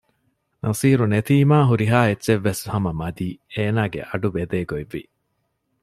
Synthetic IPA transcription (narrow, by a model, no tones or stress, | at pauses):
nʔɐsiːɾunet̪iːmaːɦuɾiɦaːetːʃeʋːeshɐmɐmɐd̪iːeːnaːɡḛʔɐɖubed̪eːɡoiʋːi